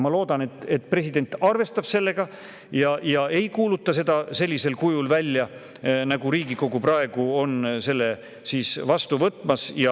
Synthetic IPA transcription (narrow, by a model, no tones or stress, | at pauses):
mɑlo̞ːd̪̥ɑne̞t̪ːe̞t̪ːˑpre̞sʲid̪̥e̞nʲt̪ːˑɑrve̞st̪ɑb̥se̞lːe̞ɡ̥ɑ | jɑjɑe̞jkuːlut̪ːɑse̞d̪̥ɑse̞lʲːise̞lkujulvælʲːjɑ | nɑɡuɾiːɡiko̞ɡ̥uprɑe̞ɡ̥uo̞nse̞lːe̞ | siːsvɑst̪uvɤt̪ːˑmɑsjɑ